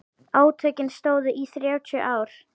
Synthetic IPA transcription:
aːwt̪ʰœːcɪnst̪oːwðʏʔiθɾjaːwt͡ɕ̪ʰʏʔaːwɾ̥

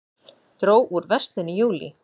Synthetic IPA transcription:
t̪ɾoːwʔuɾvɛst̪lɪnɪjuːlḭ

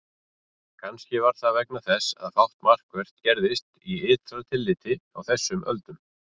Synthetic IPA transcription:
kʰanscɪvaɾ̥θavɛknaθɛsa̰ðfawh̪t̪mar̥kvɛr̥t̪cɛɾðɪst̪iɪːt̪ɾat̪ʰɪlːɪːt̪ɪa̰wθɛsːʏmʔœ̰lt̪ʏm

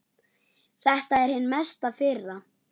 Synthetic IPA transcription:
θɛht̪aɛɾ̥hɪnːmɛst̪aðfɪrːa

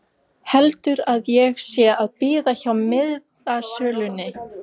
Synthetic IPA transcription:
hɛlt̪ʏɾaðjɛɣsjɛaðpiːðaçawmɪð | asœːlʏnːɪ

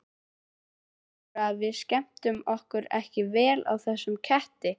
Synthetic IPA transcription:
aðvɪðscɛm̥t̪ʏmɔhkʏɾɛ̰hcɪvɛːlʔa̰wθɛsːʏmcʰɛht̪ɪ

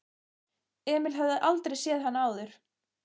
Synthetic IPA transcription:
ɛːmɪlɦœvðɪðʔalt̪ɾejsjɛːðɦanːaːwðʏɾ̥

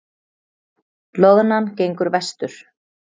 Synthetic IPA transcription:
lɔɣnancejŋkʏɾvɛst̪ʏɾ̥

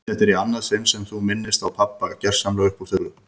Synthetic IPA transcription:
θɛht̪ɛɾianːaðsɪnsɛmθumɪnːɪst̪awpʰapːacɛr̥samlœɣʏhpɔ̥θʏɣɾʏ

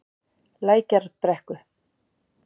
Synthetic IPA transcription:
laːjcaɾ̥pɾɛhkʏ

